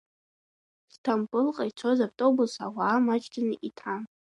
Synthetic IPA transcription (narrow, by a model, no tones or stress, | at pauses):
stʰampʼɨlqʼait͡ʃʷʰozabtʼobusa̰waːmat͡ʃʰtʰʼanɨʔitʰa